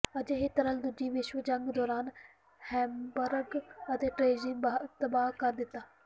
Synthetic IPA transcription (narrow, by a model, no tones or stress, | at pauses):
əd͡ʒeɦet̪əɾəld̪ʊd͡ʒiːʋɪʃʋəd͡ʒəŋɡd̪ɔːɾaːn | hɛ̃ːmbəɾɡət̪eːʈɾeːd͡ʒɪŋːt̪əbaːkəɾd̪ɪt̪ːaː